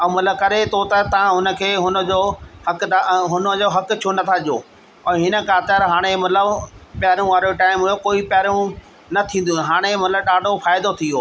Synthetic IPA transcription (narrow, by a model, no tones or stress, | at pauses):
ɛ̃mɐt̪ləb̚kɐɾet̪ʰot̪ɐt̪ɐʋ̤ãɦʊnə̆kʰeːɦʊnə̆d͡ʑoːhɐkaɦʊnəd͡ʑoːɦɐkt͡ɕʰonɐt̪ʰaʄijoː | ɛ̃ːɦɪnə̆kʰãːt̪əɾɦaːɽ̃emɐt̪ləbpjɾũʋaːɾoʈaːɪmɦujokoːipɐɾũ | nɐt̪ʰĩːn̆d̪ũɦaːɽ̃emɐt̪ləbɗaːɖʱofaːɪd̪ot̪ʰijoː